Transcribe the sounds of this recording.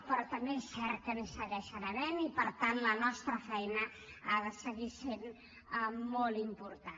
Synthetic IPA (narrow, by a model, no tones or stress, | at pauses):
pɾɔt̪əmbesɛɾkənisəɣɛʃənənɛnipəɾt̪anlənɔst̪ɾəfɛjnə | aðəsəɣisen | əmolˠimpuɾt̪a